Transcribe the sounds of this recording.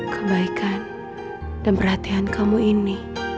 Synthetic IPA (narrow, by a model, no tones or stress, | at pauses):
kʰəbaikʰan | d̥anpərhat̪iankʰamuini